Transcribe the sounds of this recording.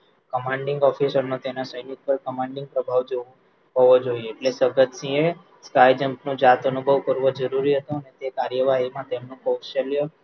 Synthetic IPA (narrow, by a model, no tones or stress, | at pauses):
kəmãɳɖɪ̃ŋɡɔfisəɾnot̪enasəj̃jut̪̚pəɾkəmãɳɖɪ̃ŋɡ̚pɾəbʱaʋd͡ʒo | ɦoʋod͡ʒoieːʈlesəɡət̪sĩe | skajd͡ʒəmpnũd͡ʒat̪onubʱəʋkəɾʋod͡ʒəɾuɾiɦət̪uənet̪ekaɾjəʋaɦimãt̪emnõkost͡ʃaljo